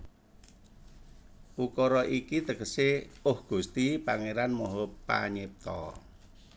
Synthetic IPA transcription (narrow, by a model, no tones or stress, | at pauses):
ʔukɔɾɔʔikit̪əkəseʊhɡ̥ṳst̪ipaŋeɾanmɔɦɔpa̰ɲep̚t̪ɔ̰